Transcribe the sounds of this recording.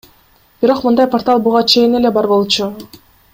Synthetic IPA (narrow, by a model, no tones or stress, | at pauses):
b̥iɾo̞qmɯnd̪ɑjport̪alˠbuʁɑt͡ʃʰe̞jine̞le̞bɑɾbo̞lˠt͡ʃu